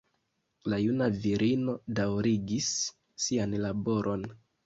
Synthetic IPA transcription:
lajunaviɾʔino̞dawɾiɡisː | ianlabo̞ɾʔo̞n

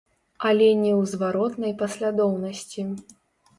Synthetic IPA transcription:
ɐlʲɛnʲɛwzvaɾɔt̪nɐjpɐsʲlʲad̪ɔwnɐsʲt͡sʲi

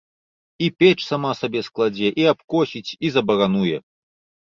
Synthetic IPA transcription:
ipʲɛt͡ʂsamasabʲɛsklˠad͡zʲɛʔiapkɔsʲit͡sʲizɐbɐɣanujɛ

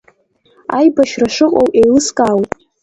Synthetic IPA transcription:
ajbaʃraʂɨqʼo̰wʼejlɨskʼawtʼ

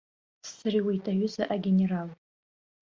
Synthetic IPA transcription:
sːɨriwejtʼaɥʊzaʔaɡʲeneral

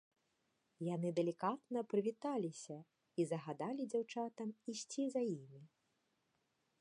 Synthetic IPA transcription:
janɨd̪ɛlʲikat̪̚nɐpɾɨvʲit̪alʲisʲɐ | izɐɣad̪alʲid͡zʲawt͡ʂat̪ɐmisʲt͡sʲizɐjimʲi

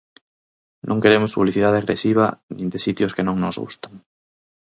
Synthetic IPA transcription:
nʔõŋkeɾemʊspuβliθiðaðeaɣɾesiβ̞ɐnĩnd̪esit̪jʊskenõŋnozɣṵst̪aŋ

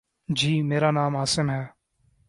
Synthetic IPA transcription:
d͡ʒiːmeːɾaːnaːmaːsɪmɦɛː

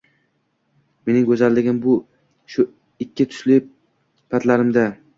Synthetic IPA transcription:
me̞nɪŋɡʲɵzalːɪɡʲɪmbʊ | ʃʊ | ɪkʲʰːɪt̪ʰʊ̥ʃlɪ | pʰat̪laɾɪmd̪a

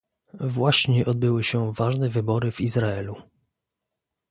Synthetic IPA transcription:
vwaɕɲɛʔɔd̪̚bɘwɘɕɛvaʐnɛvɘbɔɾɘvizɾaɛlu

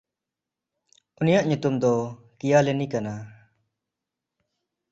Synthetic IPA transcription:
unijaʔɲut̪umd̪ɔ | kijalɛnikana

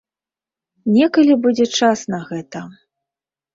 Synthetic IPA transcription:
nʲɛkɐlʲibud͡zʲɛt͡ʂasnɐɣɛt̪ɐ

